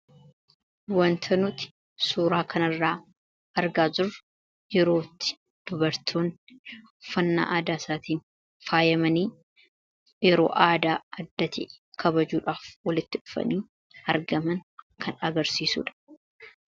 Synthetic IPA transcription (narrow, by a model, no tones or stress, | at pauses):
wɐnt̪ʰɐnʊt̪ɪ̥ | suːɾaːkʰɐnɐrːaː | ɐɾɡaːd͡ʒʊr | jɛɾo̞ːt̪ːɪ̥ | d̪̥ʊbɐɾt̪ʰoːn | fɐnːa̰ːʔaːd̪aːsaːt̪iːn | faːjɐmɐniː | jɛɾo̰ːʔaːd̪aːɐd̪ːɐt̪ḭ | kʰɐbɐd͡ʒuːᶑaːfwɐlɪt̪ːɪᶑʊ̥fɐ̰niː | ɐɾɡɐmɐnkʰɐnɐɡɐɾsiːsṵːᶑɐ̥